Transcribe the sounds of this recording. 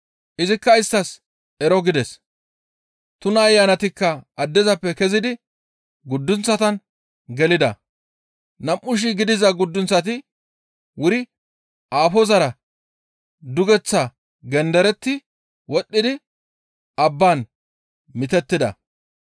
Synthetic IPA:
ʔɪzɪkːɐɪst̪ːɐs | ɛɾɔɡɪd̪ɛs | t̪ʊnɐːjːanɐt̪ɪkːɐːd̪ːɛzɐpːɛkɛzɪd̪ɪ | ɡʊd̪ːʊnt͡sːɐt̪ɐn | ɡɛlɪd̪ɐ̰ | nɐmʔːʊʃ̬ɪɡɪd̪ɪzɐɡʊd̪ːʊnt͡sːɐt̪̬ɪ | wʊɾɪ | ʔaːfɔzɐɾɐ | d̪ʊɡɛt͡sːɐ | ɡɛnd̪ɛɾɛt̪ːɪ | wɔɗːɪd̪ɪ | ɐbːaːn | mɪt̪ɛt̪ːɪd̪ɐ̰

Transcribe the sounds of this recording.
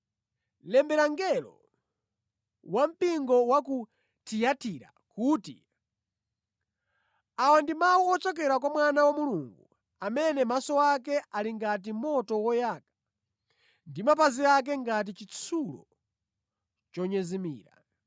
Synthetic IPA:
lɛmbɛɾaŋɡɛlɔ̰ | wam̩piŋɡɔwaku | tʰijatiɾa̰ | kuːti | awandimawuɔt͡ʃɔk̬ɛɾakwamwanawamuluŋɡu | amɛnɛmasɔwakɛʔaliŋɡat̬imɔtɔwɔjaːkḁ | ndimapaziak̬ɛŋɡat̬it͡ʃit͡sʰulɔ̰ | t͡ʃɔɲɛzimḭːɾa̰

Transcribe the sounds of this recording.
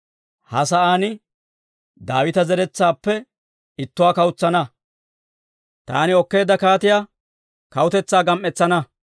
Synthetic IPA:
hɐs̬ɐʔaːnɪ | d̪aːwɪt̪ɐzɛɾɛt͡sːaːpːɛ | ɪt̪ːʊwaːkɐwʊt͡sːɐnɐ | t̪a̰ːnɪɔkːe̞ːd̪ːɐkaːt̪ɪjaː | kɐwʊt̪ɛt͡sːaːɡɐmʔːɛt͡sːɐnɐ

